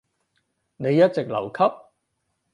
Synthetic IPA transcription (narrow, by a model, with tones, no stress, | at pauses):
ne˨˧jːɐ˥t̚t͡se˨k̚lɐ̰˨˩wkʰɐ˥p̚